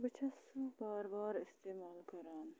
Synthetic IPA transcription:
bɐt͡ʃʰɐsubɑːɾbɑːɾɪst̪eːmɑːlkɐɾaːn

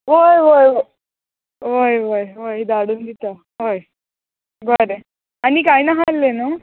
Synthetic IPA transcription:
ʋojʋojo | ʋojʋojʋojd̪aɽuːnd̪it̪a | ɦoj | ɡəɾe | anikajnaɦalːena

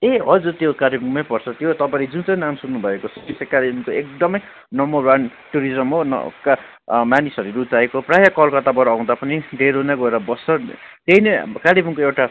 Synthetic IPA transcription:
eɦʌd͡zut̪jokaɾibuŋmajpʌrt͡sʰʌt̪jot̪ʌpãɾed͡zũt͡sʌjnamsunːubʱʌekot͡sʰʌ̥t̪isekaɾibʌmkoek̚d̪ʌmʌj | nʌmoɾwanʈuɾid͡zʌmɦonʌ̰ka | manisʌɾuɾut̪aekoprajakʌlkʌt̪abʌɾãw̃d̪apʌnid̪ʱeɾonaɡʌeɾabʌsʌ | t̪einekaɾibʌŋkoewʈa

